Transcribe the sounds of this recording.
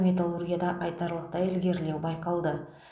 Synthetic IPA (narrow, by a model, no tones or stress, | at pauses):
mʲe̞t̪alˠurɡʲijad̪ɑʔɑjt̪ɑɾlˠəq̚t̪ɑjɪlɡʲe̞ɾle̞wbɑjqɑlˠd̪ə